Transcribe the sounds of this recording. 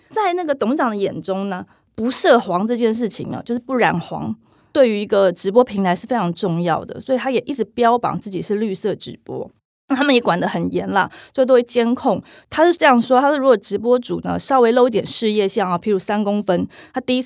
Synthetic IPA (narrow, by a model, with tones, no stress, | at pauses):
t͡sa˥˧ɪna˥˩ɡə˩t̪ʊ˧˥ŋʈ͡ʂɑ˨˩ŋd̪ə˩jɛ˨˩nʈ͡ʂʊ˥ŋnə˨ | pu˧˥ʂɤ˥˩xwɑ˧˥ŋʈ͡ʂɤ˥˧t͡ɕjɛ˥˧nʂ̬ɻ̩˥˩t͡ɕʰḭ˨˦ŋ̰˨˦t͡ɕjo˥˧ʊʂɻ̩˥˧pu˥˩ɻa̰˨˩nxwɑ̰˧˥ŋ | t̪we˥˩ɪy˧˥i˧˦˥ɡə˧ʈ͡ʂɻ̩˧˥p̬wɔ˥pʰi˧˥nt̪ʰa˧˥ɪʂɻ̩˥˩fe˥ɪʈ͡ʂʰɑ˧˥ŋʈ͡ʂʊ˥˧ŋjɑ˥˩ʊd̪ə̰˩swɔ˧˥i˨˩t̪ʰa˥jɛ˨˩ʔi˥˩ʈ͡ʂɻ̩˧˥pjɑ˥ʊpɑ̰˨˩ŋt͡sɹ̩˥˩t͡ɕi˨˩ʂɻ̩˥˧ly˥˧sɤ˥˩ʈ͡ʂɻ̩˧˥pwɔ̰˥˩ | t̪ʰa˥mə˨njɛ˨˥kwa˨˩nd̪ə˦xə˨˩njɛ˧˥nla̰˧swt̪o˥we˥˩t͡ɕjɛ˥nkʰʊ˥˩ŋ | t̪ʰa˥ʂɻ̩˥˩ʈ͡ʂɤ˥˧jɑ˥˩ŋʂwɔ˥t̪ʰa˥ʂ̩˥˩ɻu˧˥wɔ˨˩ʈ͡ʂɻ̩˧˥p̬wɔ˥ʈ͡ʂṵ˨˩nə̰˦ʂɑ˥ʊwe˧ɪli˥t̪jɛ˨˩nʂɻ̩˥˧jɛ˥˧ɕjɑ˥˩ŋɔ˨˩pʰi˧˥ɻu˧˥sa˥nkʊ˥ŋfə˥nt̪ʰa˥t̪i˥˧i˥